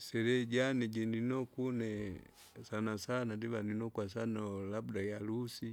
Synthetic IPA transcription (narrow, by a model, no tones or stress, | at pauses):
sɛlɛɟaniɟɛninɔkunɛ | sanasanadiβaninɔkwas̬anɔlabdajalusi